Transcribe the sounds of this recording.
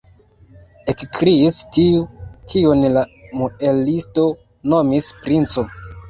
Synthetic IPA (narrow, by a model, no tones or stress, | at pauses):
ekkɾiːstiukʰiunlamoelisto̞ | nomispɾint͡so